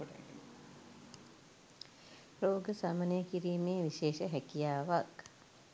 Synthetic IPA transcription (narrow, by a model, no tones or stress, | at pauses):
oʈa̰ɡḛn | roːɡəsamənejəkiɾiːmeːʋiʃeːʃəɦækijaːʋak